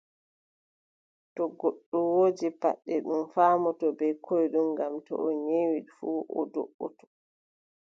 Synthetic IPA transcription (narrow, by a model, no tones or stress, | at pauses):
tɔɡɔɗːɔwoːd͡ʒipa̰ɗːɛɗumfaːmɔtɔbɛjkʰɔjɗumɡamtɔ̰ʔɔɲewiɗfuːʔɔ̰dɔ̰ɓːɔtɔ̥